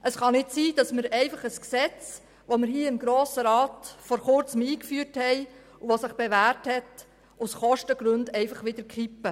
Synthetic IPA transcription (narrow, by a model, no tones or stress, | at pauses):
ʔəsχɑnɪtsiːd̥ɑsmɪɾɛɪfɑχəsksɛt͡s | ʋomɪɾhiːɪmɡɾoːsəɾɑːtfɔɾχʊɾt͡səmiːkfyːɾthɛɪ | uʋosɪχb̥eʋæːrthɛt | ʊsχɔʃtəɡ̥ɾɵndɛɪfɑχʋɪd̥̪əɾkχipːə